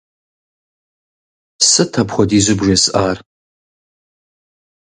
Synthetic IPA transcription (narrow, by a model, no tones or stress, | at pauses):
sɨtʰapʰχʷadizɨbʐesʔar